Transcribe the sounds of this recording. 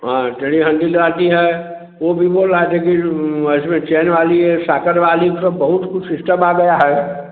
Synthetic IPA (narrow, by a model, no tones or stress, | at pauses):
ɦãt̪eɽiɦɐ̃nd̪ilɾaːʈiɦɛ | ʋobʱiboːlɾat̪ekiɪsmẽt͡ʃeːnʋaːliɛsaːkəɾʋaːlikt̪obɐɦʊt̪kʊt͡ʃsɪsʈəmaːɡɐjaɦɛː